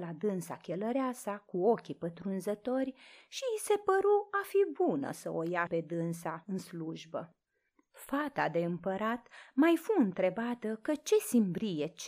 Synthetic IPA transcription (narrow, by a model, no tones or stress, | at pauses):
lad̪ɨnsakʲe̞ləɾeasakuo̞kʲipət̪ɾunzət̪o̞rʲʃijise̞pəɾuafibunə̰səojape̞d̪ɨnsaɨnsluʒbə̰ | fat̪ad̪e̞ɨmpəɾat̪majfuɨnt̪ɾe̞bat̪əkət͡ʃe̞simbɾije̞t͡ʃ